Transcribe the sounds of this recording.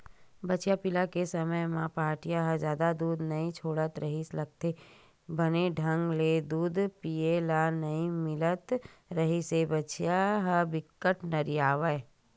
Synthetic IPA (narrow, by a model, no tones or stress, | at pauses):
bɐːt͡ʃjapɪlakesəməjmãpaːɾʈijaɦəd͡ʒjaːd̪ad̪uːd̪nɐĩt͡ʃʰoːɽət̪ɾəɦislɐɡ̚t̪e | bəneɖʱə̃ŋɡled̪uːd̪pijelanɐĩmɪlət̪ɾəɦisebət͡ʃjaɦəbɪkːəʈnɐɾiaːʋəj